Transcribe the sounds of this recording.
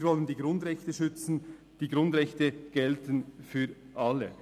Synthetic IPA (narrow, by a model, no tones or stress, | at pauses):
vɔləndiːɡɾʊndʁɛçtəʃʏt͡sn̩ | d̥iːɡɾʊndʁɛçtəɡ̥ɛltən̩fyː | ʔɑlːə